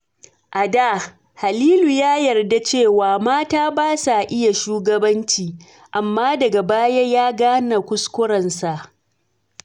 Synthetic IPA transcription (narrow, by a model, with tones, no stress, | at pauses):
ʔa˨da˦˨ | ha˨liː˦lu˨jaː˦jɐ˨rda˦t͡ʃeː˦˨waː˨maː˦taː˦baː˦sa˨ʔɪ˦ja˨ʃuː˦ɡɐ˦bɐ˦nt͡ʃiː˨ | ʔa˨mːaː˦dɐ˨ɡa˨baː˦ja˦jaː˦ɡaː˦na˨kʷʊ˦skʷʊ˦ɽɐ˨nsa˨ʔ